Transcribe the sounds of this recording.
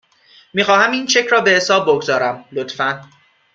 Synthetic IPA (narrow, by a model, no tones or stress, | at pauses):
miːxɒːhæmiːnʃe̞cʰɾɒːbe̞hesɒːbːoɡzɒːɾæmlot̪fæn